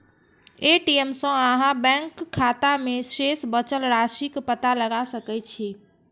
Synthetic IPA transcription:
eʈiemsə̃aɦãbɛ̃ŋkʰːat̪amẽsesbət͡ʃəlɾaʃikpət̪aləɡasəkɛt͡ʃʰi

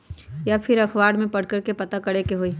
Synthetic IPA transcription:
japʰɪɾɐkʰwaːɽmẽpɐɽ̤kəɾkepɐt̪akɐɽekeɦoːiː

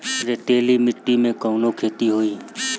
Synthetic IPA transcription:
ɾeʈeːlimɪʈːimẽkəʊnokʰeːt̪iɦoːiː

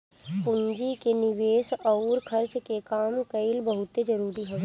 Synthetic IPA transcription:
pʊɲd͡ʒikenɪʋeːsɐʊɾkʰɐɾt͡ʃkekaːmkəɪlbəɦʊt̪ed͡ʒɐɾuːɾiɦo

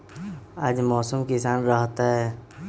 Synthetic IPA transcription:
aːd͡ʒmɔːsəmkɪsaːnɾəɦt̪aɦɛː

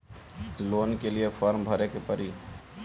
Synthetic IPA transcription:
loːnkelijepʰɔːɾmbʱəɾekepəɾi

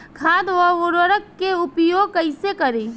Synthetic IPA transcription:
kʰaːd̪ʋəʋʊɾəɾək̚kːeʊpjoːɡ̚kəɪsekəɾeː

